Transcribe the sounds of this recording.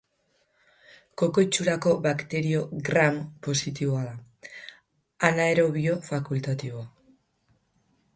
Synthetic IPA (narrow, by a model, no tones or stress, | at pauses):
ko̞ko̞jt͡ʃuɾako̞βakt̪e̞ɾio̞ɡɾampo̞sit̪iβoaða | anaeɾo̞β̞io̞fakult̪at̪iβo̞a